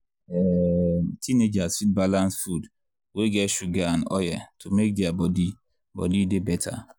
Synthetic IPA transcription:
ɛtʰined͡ʒazfit̚balãnsfud | weɡɛʃuɡanɔ̰jatʰumek̚deabɔdi | bɔ̰didebɛtʰa̰

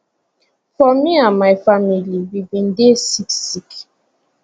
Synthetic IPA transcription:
fɔmiamaɪfamilibibĩn̩desiksik

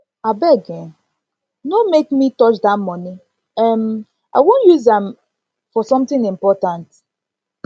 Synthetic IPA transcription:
abɛɡɛ̃ | nomekmitɔt͡ʃdatmɔni | ɛm | ʔa̰ɪwõnjuzɛ̃m | fɔsɔ̃mtɪ̃ŋɪ̃mpɔtãnt

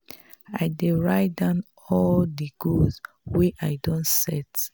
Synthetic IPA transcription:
ajdeɹajdãʊn | ɔldiɡolz | weʔajdɔ̃ntsɛt

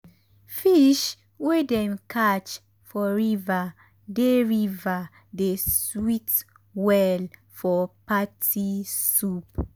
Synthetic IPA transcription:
fiʃ | wedɛnkʰat͡ʃ | fɔɹiva | deɹiva | deswit | wɛl | fɔpatʰisup̚

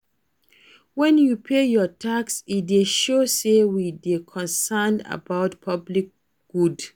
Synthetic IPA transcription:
wɛ̃njupʰejɔtʰaksideʃosewidekʰɔ̃nsanda̰baʊtpʰablik̚ | ɡ̥ud

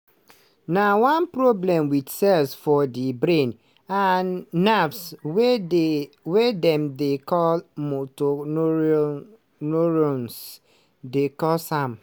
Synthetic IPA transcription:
nawãnpɾɔblɛ̃mwitsɛlsfɔdibɾẽn | anːafs | wedɛ̃mdekʰɔlmoton | noɾons | dekɔlsãm

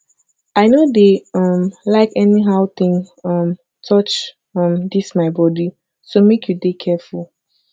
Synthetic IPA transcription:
aɪnodeʌ̃mlaɪkɛniɦaʊt̪ĩŋʌ̃m | tʰɔt͡ʃ | ʌ̃md̪ismaɪbɔdi | somekʰjudekʰɛfulˠ

